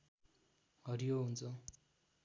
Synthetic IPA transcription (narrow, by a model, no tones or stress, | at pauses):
ʌɾijoɦunt͡sʰʌ